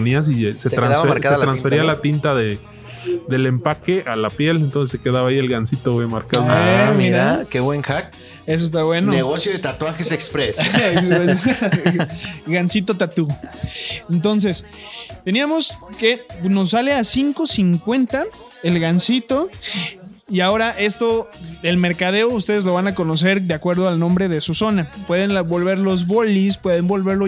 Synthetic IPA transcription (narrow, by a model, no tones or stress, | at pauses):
nias̬iset̪ɾanðaaaɾkaset̪ɾansfeɾialat̪int̪aðe | ðe̞le̞mpake̞ʔalapje̞lent̪onseseke̞ðaβaːie̞lɣansit̪owemaɾkaðnaamiɾaakeβweŋxak̚ | es̬oes̬t̪aβwe̞noneɣosjoðet̪at̪waŋxesekspɾeseksɾes | ɣansit̪o̞t̪at̪u | ent̪o̞ns̬e̞s | t̪e̞niamo̞ske̞no̞s̬ːale̞asiŋko̞siŋkwe̞nt̪a | elɣansit̪o̞ | iao̞ɾaʔe̞st̪o̞e̞lme̞ɾkað̞e̞oust̪e̞ð̞e̞zlo̞βanako̞no̞s̬e̞ɾðeakwe̞ɾð̞oalnõ̞mbɾe̞ð̞e̞suso̞napwe̞ð̞e̞nabo̞lβe̞ɾlo̞zβo̞lispwe̞ð̞e̞mbo̞lβe̞ɾlo